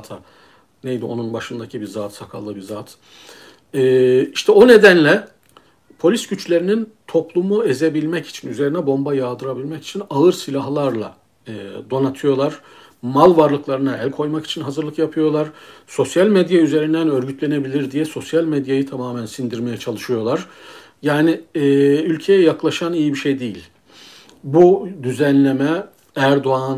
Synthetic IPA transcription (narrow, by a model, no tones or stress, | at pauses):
t̪ʰa | nejd̪io̞̰nunbaʃɯnd̪acʰibiɾzaːt̪sakʰa̰lˠːɯbiɾzaːt̪ʰ | ɛːiʃt̪ʰɛo̞ne̞d̪ænlʲɛ | pʰo̞lʲisɟyt͡ʃlʲe̞ɾinint̪ʰo̞plˠumueze̞bilʲmɛci̥t͡ʃʰinyze̞ɾinɛbo̞mbajaːd̪ɯɾabilʲmɛci̥t͡ʃʰinaɯɾsilʲaɦlˠaɾlˠa̰ | d̪o̞nat̪ʰɯjo̞lˠaɾ̥ | malˠvaɾlˠɯklˠaɾɯnaælʲkʰo̞jmaki̥t͡ʃʰinɦazɯɾlˠɯkjapʰɯjo̞lˠaɾ̥so̞sjalʲmed̪jayze̞ɾind̪ænø̞ɾɟyt̪lʲe̞ne̞bilʲiɾd̪ijɛso̞sjalʲmed̪jajɯt̪ʰamaːmænsind̪iɾme̞jɛt͡ʃʰalˠɯʃɯjo̞lˠaɾ̥ | jaːnɪ | ylʲcʰe̞jɛjaklˠaʃanijibiʃejd̪ejilʲ | bud̪yzænlʲe̞mɛ | æɾd̪oan